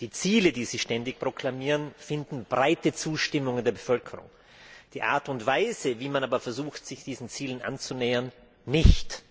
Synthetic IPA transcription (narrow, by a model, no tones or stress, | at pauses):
d̥iːt͡siːlədiːziːʃtɛndɪçpʁ̥okʰl̥amiːʁənfɪndn̩bʁaɪtət͡suːʃtɪmʊŋəndeːɐbəfœlkʰəʁʊ̰ŋ | d̥iːʔa̰ɐtʊntv̥aɪzəviːmanaːbɐfɛɐzuːxtz̥ɪçd̥iːzn̩t͡siːlənʔa̰nt͡sunɛːɐnː | ɪçt